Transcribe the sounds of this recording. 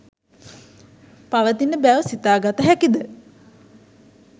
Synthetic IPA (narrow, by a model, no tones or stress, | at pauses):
paʋət̪inəbæʋsit̪aːɡat̪əɦækid̪ə